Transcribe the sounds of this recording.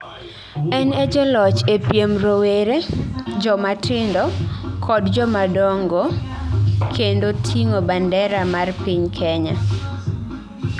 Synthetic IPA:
ɛnɛd͡ʒɔlɔt͡ʃepjemɾoweɾed͡ʒɔmatɪndɔkʰɔdd͡ʒɔmadɔŋɡo | kʰendotʰiŋobandɛɾamarpiɲkʰɛɲa

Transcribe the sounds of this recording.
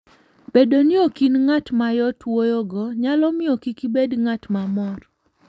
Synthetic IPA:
b̥edonɪokinŋatmajɔtwojɔɡɔɲalɔmɪɔkikibedŋatmamɔr

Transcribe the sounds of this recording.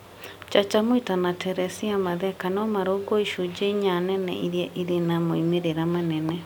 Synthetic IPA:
t͡ʃat͡ʃamoitanatʰɛɾɛsiamaðɛkanɔmaɾoɡoiʃud͡ʒeɲanɛnɛ̰ʔiɾjɛʔiɾenamoimeɾeɾamanɛnɛ

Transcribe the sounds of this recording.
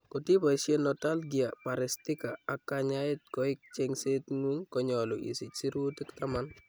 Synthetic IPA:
kɔtipaʃenɔtalɡiapaɾɪstɪkaakːaɲaɪt̚kɔɪk̚t͡ʃɛŋsetŋuŋkɔɲɔlʊʔḭsɪt͡ʃsiɾutɪktaman

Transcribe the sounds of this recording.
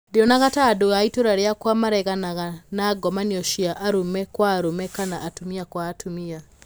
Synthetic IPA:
deɔnaɣataːdoaitoɾaɾeakwamaɾɛɣanaɣanaːɡɔmaniɔʃiaʔaɾomɛkwaːɾomɛkanaʔatomiakwaːtomia

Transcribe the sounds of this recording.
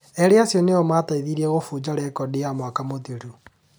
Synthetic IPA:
ɛɾeasjɔneɔmataiðiɾiɛɣofuːd͡ʒaɾɛkɔdijamwakamotiɾu

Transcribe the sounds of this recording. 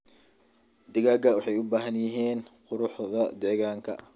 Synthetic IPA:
d̪ɪɣaːɡɐwɑħɑjʊbaːɦɐnjɪɦiːnqʊɾʊħðɐd̪ɛːɣaːŋkʰɐ̰

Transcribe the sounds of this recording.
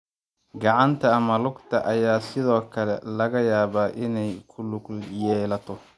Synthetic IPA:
ɡɑʕɑnt̪ʰɐːmɐlʊɡt̪ʰɐʔɐjaːsɪðɔːkʰɐlɛlɐɣɐjaːβaːʔɪnɛjkʰʊlʊɡljɛːlɐt̪ʰɔ

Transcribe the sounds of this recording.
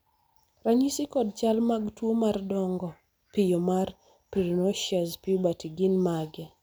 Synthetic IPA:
raɲisikɔd̚t͡ʃalmaɡtwomardɔŋɡɔ | pɪjomar | piɾɔnoʃaspiubatiɡinmaɡɛ

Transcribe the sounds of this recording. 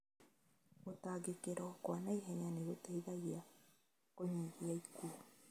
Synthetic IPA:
otaɡekeɾɔkwanaiɦɛɲaneɣotaiðaɣia | koɲiɣiaikuo

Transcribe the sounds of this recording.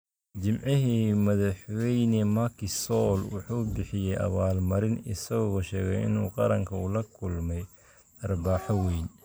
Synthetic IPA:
d͡ʒɪmʕɪɦiːmɐðɐħwɛjnɛmɐkɪsɔːlwʊħuːbɪħɪjɛjʔɐ̰βaːlmɐɾɪnɪsɐɣɔːʃɛːɣɛ̰jɪ̰nuːqɑɾɐŋkʰɐulɐkʰʊlmɛj | ʔɐrbaːħɔwɛjn

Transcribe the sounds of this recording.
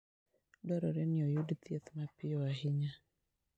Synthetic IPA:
dwaɾɔɾɛnɪɔjudt̪jet̪mapɪɔahɪɲa

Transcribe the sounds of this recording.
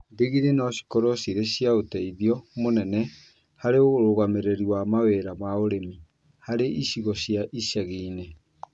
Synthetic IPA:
ndeɣiɾenaɕi̥kɔɾɔɕiɾeɕjaotɛiðiɔmonɛnɛ | haɾeoɣoɾoɣameɾeɾiwamaweɾamaoɾemi | haɾeʔiɕiɣɔɕiaʔiʃɛɣiːne

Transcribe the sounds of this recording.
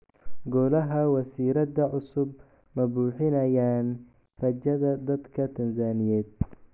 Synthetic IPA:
ɡɔːlɐɦɐwɐsiːɾɐd̪ɐʕʊsʊb | mɐbuːħɪnɐjaːn | rɐt͡ʃɐðɐd̪ɐd̪kʰɐt̪ʰɐnsaːnɪjɛːd̪̚

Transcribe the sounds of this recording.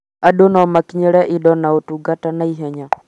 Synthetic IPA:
aɗonɔmakiɲɛɾɛʔiɗɔnaotuɡatanaiɦɛɲa

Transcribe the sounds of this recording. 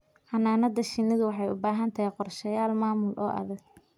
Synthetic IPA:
ħɑnaːnɐd̪ɐʃɪnːɪðʊwɑħɑjʊ̰baːɦɐnt̪ʰɐɦjqɔrʃɐjaːlmaːmʊlʔɔːʔɐ̰ðɐɡ̚

